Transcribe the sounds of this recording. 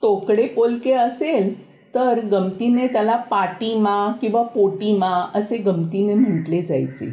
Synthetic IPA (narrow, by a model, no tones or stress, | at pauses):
t̪okɽepolkeəsel | t̪əɾɡəmt̪inet̪jalapaʈimakĩw̃ʋapoʈimaəseɡəmt̪inem̤əɳʈled͡za̰jt͡sḛ